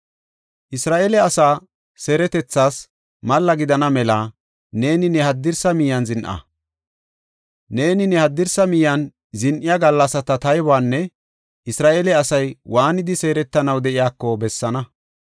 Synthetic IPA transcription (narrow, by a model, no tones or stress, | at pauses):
ʔɪsɾaːʔelɛɐsaː | se̞ːɾɛt̪ɛt͡sːaːs | mɐlːɐɡɪd̪ɐnɐmɛla | ne̞ːnɪnɛhɐd̪ːɪɾsɐmɪjːɐnzɪnʔɐ̰ | ne̞ːnɪnɛhɐd̪ːɪɾsɐmɪjɐn | zɪnʔɪjaɡɐlːɐsɐt̪ɐt̪ɐjbaːnːɛ | ʔɪsɾaːʔelɛɐsɐjwaːnɪd̪ɪse̞ːɾɛt̪ːɐnɐwd̪ɛʔɪjaːkːɔbɛsːɐnɐ